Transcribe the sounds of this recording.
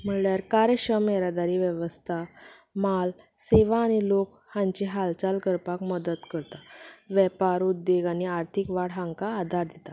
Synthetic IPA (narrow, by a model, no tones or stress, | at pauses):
m̤əɭljaɾkaɾeɕəmeɾad̪aɾiːʋjəʋəst̪ʰa | mal | seʋaːɽ̃ilok | hãɲt͡ɕiɦalt͡salkəɾpakməd̪ət̪kəɾt̪aʋɛpaɾud̪ːeɡañiaɾt̪ʰikʋaɽɦaŋkaːd̪ʱaɾd̪et̪a